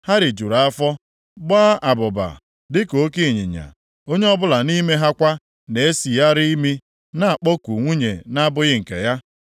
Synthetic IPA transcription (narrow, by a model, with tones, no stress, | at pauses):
ha˦ɾɪ˨d͡ʒu˨ɾa˨a˦fɔ˦ | ɡ͡ba˦a˨bʊ˨ba̰˨ | dɪ˦ko˨˦ki˦˨ɲḭ˨ɲa̰˨ | o˦ɲe˦ɔ˦bʊ˦la˨ni˦me˦ɦa˦kʷa˦ | ne˨e˦si˨ja˦ɾi˦i˦mi˦ | na˦˨a˨k͡pɔ˦ku˨ŋʷu˦ɲe˨na˦bʊ˦ɣɪ˦ŋ̩˨kḛ˨ja˦